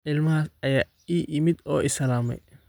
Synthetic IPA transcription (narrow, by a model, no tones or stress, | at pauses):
ʕɪlmɐɦaːsɐjaː | iːʔɪmɪd̪ɔːɪsɐlaːmɛ̰j